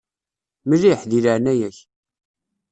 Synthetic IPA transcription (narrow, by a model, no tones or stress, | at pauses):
məliħðilaʕnæjæç